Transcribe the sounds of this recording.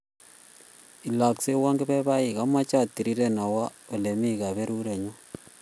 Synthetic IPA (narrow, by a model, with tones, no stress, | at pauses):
i˨la˨kse˦wa˦ŋɡe˦bɛ˦βa˦i˨ka˦ma˦t͡ʃa˦˨tːi˨ɾi˦ɾe˦na˨wa˦o˨le˨mi˦ka˨βe˦ɾu˦ɾe˨ɲo˦